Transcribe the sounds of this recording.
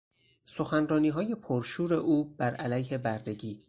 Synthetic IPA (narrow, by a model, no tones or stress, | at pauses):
so̞xænrɒːniːɦɒːje̞pʰoɾʃuːɾe̞ʔuːb̥æɾælæjhe̞bæɾd̪e̞ɡiː